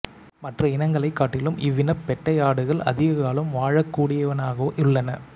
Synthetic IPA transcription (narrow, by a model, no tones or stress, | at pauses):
mɐʈrɐɪnɐŋɡɐɭɐɪkːaːʈːɪlɯmɪʋːɪnɐpːɛʈːɐjaːɽɯɣɐɭɐ̰ðɪɣɐɣaːɭɯmʋaːɻɐkːuːɽɪjɐʋɐnaːɣɐʋoːʔɪɭːɐnɐ